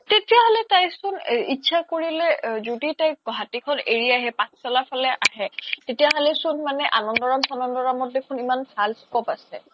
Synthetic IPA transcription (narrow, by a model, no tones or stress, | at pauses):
tetijaɦolɛtajsʊnitːsʰakoɹilɛzoditajɡɔɦatikʰɔneɹiaɦɛpãstalapʰalɛʔaɦɛtetijaɦɔlɛsʊnmanɛʔanɔndɔɹamsanɔndɔɹamɔt̚dekʰunimansalskɔpasɛ̰